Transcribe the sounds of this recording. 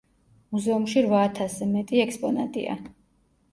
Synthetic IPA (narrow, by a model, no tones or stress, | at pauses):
muzɛumʃiɾvaːt̪ʰaszɛmɛt̪ʼiɛkspʼɔnat̪ʼḭa̰